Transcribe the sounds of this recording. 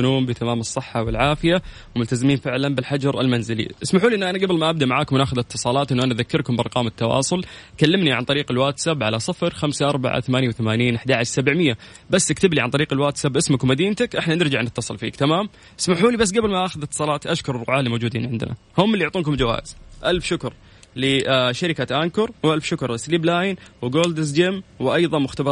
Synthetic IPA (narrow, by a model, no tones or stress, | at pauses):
nuːmbɪt̪amaːmɨsˤːɨħːawɪlʕaːfɪja | wɪmʊlt̪azɪmiːnfɪʕlanbɪlħad͡ʒɑɾˤɪlmanzɪlḭʔɪsmaħuːliʔɪnːʔanaɡabɪlmaʔab̚d̪aʔmaʕaːkʊmnaːxʊðɪt̪ːɨsˤɑːlɑːt̪ʔɪnːʔanaʔðakːɪɾkʊmbɪʔɑ̰ɾqɑːmɪt̪ːɑwɑ̰ːsˤʊlkalːɪmniʕa̰nt̪ˤɑɾiːqɪlwaːt̪sabʕa̰lasˤɨfɾxamsaʔɑɾˤba̰ʕa̰θamaːnjawθamaːniːnʔaħd̪aʕaʃsabɪʕmɪjːa | basːʔɪkt̪ɪbliʕant̪ˤɑɾiːqɪlwaːt̪sabʔɪsmʊkmad̪iːnt̪akʔɪħnanɪɾd͡ʒaʕnɪt̪ːɑsˤɨlfḭːkt̪amaːm | ʔɪ̥smaħuːlibas̬ːɡabɪlmaʔaxʊðɪt̪ːɨ̥sˤɑːlɑːt̪ʔaʃkʊɾrːˤʊʕaːlimoːd͡ʒuːd̪iːnʕɪnd̪ɪ̰na̰hʊmːɪlːijʊʕt̪ˤuːnkʊmd͡ʒawa̰ːʔɪz̥ʔalfʃʊkɾ | lɪʃaɾɪkat̪ʔaŋkʊɾwʔalfʃʊkɾˤlɪsliːblaːjnwɪɡoːld̪ɪs̬d͡ʒɪmwɪʔɑjðˤɑmʊxt̪abɑ